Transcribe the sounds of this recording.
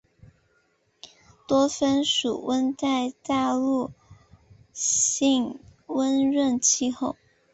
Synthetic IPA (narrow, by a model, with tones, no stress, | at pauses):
t̪wɔ˥fə˥nʂu˨˩wə˥nt͡sa˥˧ɪt̪a˥˧lu˥˧ | ɕi˥˧ŋwə˥nɻə˥˧nt͡ɕʰi˥˧xo˥˩ʊ